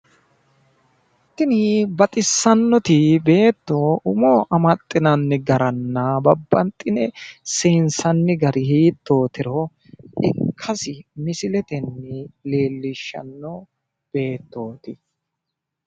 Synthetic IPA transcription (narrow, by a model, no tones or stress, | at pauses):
t̪ːɪnɪbɐt̪ʼɪsːɐnːɔt̪ɪbe̞ːt̪ːoʊmoːʔɐmɐt̪ʼːɪnɐnːɛɡɐɾɐnːɐbɐbːɐnt̪ʼːɪnɛseːnsɐnːɪɡɐɾɪhiːt̪ːo̞ːt̪ɪɾɔ | ɪkʰːɐsɪmɪsɪlɛt̪ɛnːɛle̞ːlːɪʃːɐ̰nːɔ | b̥e̞ːt̪ːo̞ːt̪ɪ